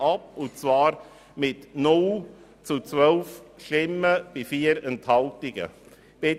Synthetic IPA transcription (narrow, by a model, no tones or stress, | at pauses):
ɑpʊnt͡svɑːɾ | mɪtnʊl | t͡sut͡svœlfʃtɪmːəb̥ifiːəɾɛnthɑltɪɡ̥ə̰ | b̥ɪ